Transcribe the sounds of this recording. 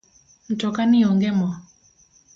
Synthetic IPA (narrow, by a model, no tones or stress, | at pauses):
n̩tɔkanioŋɡɛmɔ